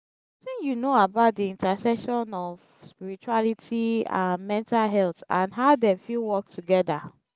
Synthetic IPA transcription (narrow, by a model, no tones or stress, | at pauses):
tĩŋjunoabaʊt̚diĩntasɛʃɔ̃nɔv | spiɹit͡ʃualitʰiã̰nmɛ̃ntalɦɛltã̰nɦaʊdefilwɔk̚tʰuɡɛda